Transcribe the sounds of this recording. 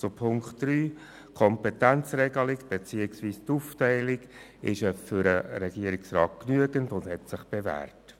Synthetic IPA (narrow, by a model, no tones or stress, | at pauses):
zopʰʊŋktdryː | kʰɔmpɛtænt͡srɛɡəlɪɡb̥et͡siːəksviːstuftɛɪlɪɡ | ɪʃəfʏɾəɾɛɡiəɾɪksrɑ̰ːt̚knyəɡəntʊnd̥hɛtsɪχb̥evæ̰ːrt